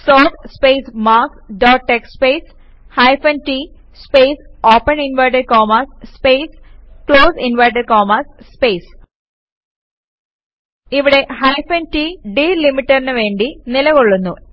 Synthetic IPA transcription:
soːt̪speːsmaːkɖoːʈːekspeːs | hɐjfɐnʈi | speːsoːpːɐninʋɐjʈɐɾkoːmɐsspeːskɭoːsinʋɐjʈ̬ɐɾkoːmɐsspeːjs | iʋiɽe̞hɐjfenʈiɖiːlimiʈːɐɾinɨʋe̞ːɳɖinilɐɣoɭːunːu

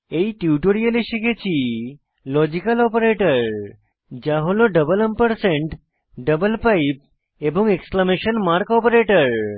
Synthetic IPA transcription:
eiʈjuʈoɽijəliɕiket͡ɕi | lɔd͡ʑikəlɔpəɾeʈəɾ | d͡ʑaɦoloɖəbələmpəɾsẽɳʈ | ɖəbəlpaip̚ | ebɔ̃ŋɡeksklameɕənmaɾkɔpəɾeʈəɾ

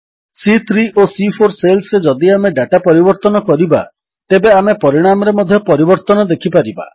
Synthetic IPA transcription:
sit̪ʰɾiʔosipʰoɾselsɾed͡ʒɔd̪iameɖaʈapɔɾibɔɾt̪ɔnɔkɔɾiba̰ | t̪ebeamepɔɾiɽ̃amɔɾemɔd̪ʱjɔpɔɾibɔɾt̪ɔnɔd̪ekʰipaɾiba̰

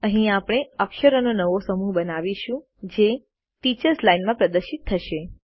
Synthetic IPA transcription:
əɦĩapɽ̃eəkʃəɾənonəʋosəmuɦbənaʋiʃũ | d͡ʒe | ʈit͡ʃəɾslainmãpɾəd̪əɾʃit̪ʰːəʃe

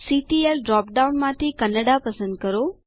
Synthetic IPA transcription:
siːʈiːelɖɾɔːp̚ɖaːʊnmãt̪ʰikɐnəɖapɐsə̃nd̪̚kɐɾoː

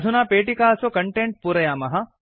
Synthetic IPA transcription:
d̪ʱunaːpeːʈikaːɐsokɐɳʈeɳʈ̚puːɾɐjaːmɐɦɐ

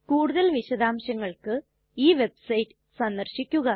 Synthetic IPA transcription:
kuːɽuðɐlʋiɕɐðaːmɕɐŋːɐɭkɨ | iːʋe̞bsɐjʈːɨ̥ | sɐnd̪ɐrɕikʲːuɣɐ

